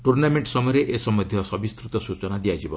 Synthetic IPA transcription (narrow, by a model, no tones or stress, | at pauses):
ʈuɾnameɳʈsɔmɔjɔɾeʔesɔmɔd̪ʱjɔsɔbist̪ɾut̪ɔsut͡ʃɔnad̪ijad͡ʒibɔ